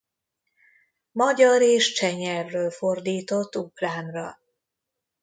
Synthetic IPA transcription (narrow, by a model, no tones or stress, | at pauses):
mɒɟɒɾeːʃt͡ʃɛɲɛrːøːlfo̞rd̪iːt̪o̞t̪ːuklaːmrɒ